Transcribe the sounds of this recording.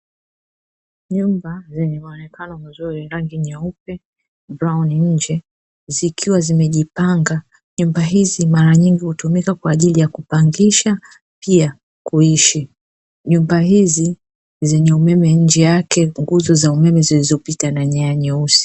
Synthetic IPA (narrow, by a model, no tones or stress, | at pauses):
ɲumbazɛɲɛmaɔnɛkanɔmazuɾiɾaŋɡiɲaup̚ɛ | bɾawniɲ̩d͡ʒɛ | zikʰiwazimɛʄipaŋɡa | ɲumbaɦizimaɾaɲiŋɡihutumikakwaːʄilijakupaŋɡiʃa | pia | kuiʃi | ɲumbaɦizi | zɛɲɛumɛmɛɲ̩d͡ʒɛjakɛŋɡuzɔzaumɛmɛzilizɔpitanaɲaaɲɛusi̥